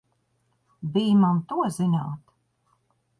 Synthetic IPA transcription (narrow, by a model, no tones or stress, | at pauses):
biːmant̪uɔzinaːt̪